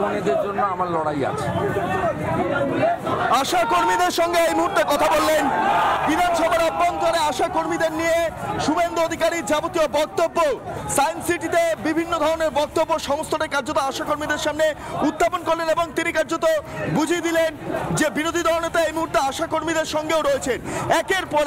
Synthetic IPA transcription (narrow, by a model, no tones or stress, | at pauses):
oned̪eɾd͡ʑonːoamaɾlɔɽaja̰t͡ɕʰe̥ | aʃakoɾmid̪eɾʃɔŋɡeejmuɦuɾt̪ekɔt̪ʰabolːenbid̪ʱanʃɔbʱaɾabːont̪oɾeaʃakoɾmid̪eɾnijeʃubend̪uod̪ʱikaɾiɾd͡ʑabot̪iobɔk̚t̪obːosajnsiʈit̪ebibʱinːod̪ʱɔɾoneɾbɔk̚t̪obːoʃɔmost̪ʰoʈekaɾd͡ʑot̪oaʃakoɾmid̪eɾʃamneud̪ʱːaponkoɾleneboŋt̪inikaɾd͡ʑot̪obud͡ʑʱid̪ilend͡ʑebiɾod̪ʱid̪ɔlonet̪aejmuɦuɾt̪eaʃakoɾmid̪eɾʃɔŋɡeoɾoet͡ɕʰenɛkeɾpɔ